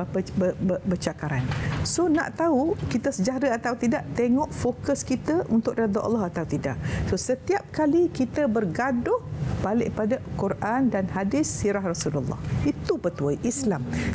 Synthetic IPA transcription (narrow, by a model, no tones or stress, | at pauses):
pəəəbət͡ʃakaɾansona̰ʔt̪aukit̪əsəd͡ʒaɾəat̪awt̪idaʔt̪eŋɔʔfokəskit̪əʔunt̪ʊʔrad̪aʔa̰lːɑɦat̪awt̪ida̰ʔsosət̪iap̚kalikit̪əbərɡadʊhb̥alɪʔpadakurʔandanhadɪsːiɾahrasululːɑ̰hit̪upət̪uaʔislam